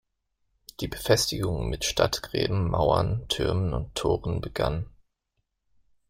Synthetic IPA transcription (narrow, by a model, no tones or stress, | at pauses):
d̥iːbəfɛstɪɡʊŋmɪtʃtʰatɡ̥ʁ̥ɛ̰ːbm̩maʊɐntʰʏɐmənʊ̰ntʰːoːʁənbəɡ̥a̰n